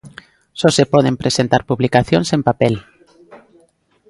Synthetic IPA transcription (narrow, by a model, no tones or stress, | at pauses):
sosepoð̞empɾesent̪aɾpuβlikaθjonsempapel